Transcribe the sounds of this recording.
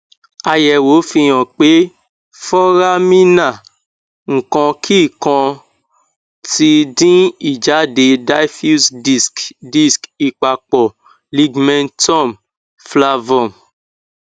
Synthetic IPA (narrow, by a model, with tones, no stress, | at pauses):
a˧jɛ˨wo˨˦fi˧j̃ɔ̃˨k͡pe˨˦ | fɔ˦ɾa˦mĩ˦nã˦˨ | ŋ̩˨kɔ̃˧kʰi˦˨kã˧ | ti˧dĩ˦i˦˨d͡ʒa˨˦de˧da˦fu˦sdi˨skdi˦ski˨k͡pa˨k͡pɔ˨ | li˦ɡmɛ̃˦ntɔ̃˦˨m | fla˧vɔ̃˨m